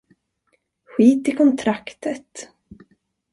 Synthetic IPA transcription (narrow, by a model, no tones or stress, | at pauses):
ɧiːt̪ɪlkʰɔnt̪ʰɾakt̪ət̪